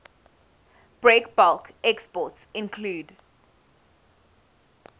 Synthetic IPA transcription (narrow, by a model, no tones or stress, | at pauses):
b̥ɹekbalkɛkspɔtsɪ̃nkʰluːd